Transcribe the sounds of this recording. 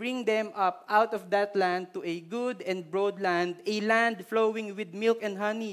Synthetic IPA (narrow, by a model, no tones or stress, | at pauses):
bɹɪ̃ŋd̪ɛ̃mʌp̚ʔawt̪ɔvd̪at̪lãnd̪̚t̪uʔɛɡʊd̪ɛ̃nd̪̚bɹod̪lãnd̪ɛlãnd̪flowɪ̃ŋwɪd̪̚mɪlkɛ̃nd̪ɦʌni